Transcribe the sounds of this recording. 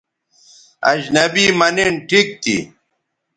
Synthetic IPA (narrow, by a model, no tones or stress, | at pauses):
ɐ̰d͡ʑnɐbimɐniɳʈʰik̚t̪ḭ